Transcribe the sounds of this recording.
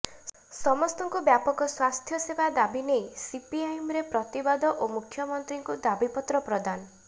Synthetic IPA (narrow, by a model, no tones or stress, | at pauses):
sɔmɔst̪ɔŋkubjapɔkɔswast̪ʰjɔsebad̪abinejsipiajmɾepɾɔt̪ibad̪ɔʔomukʰːjɔmɔnt̪ɾiŋkud̪abipɔt̪ɾɔpɾɔd̪anɔ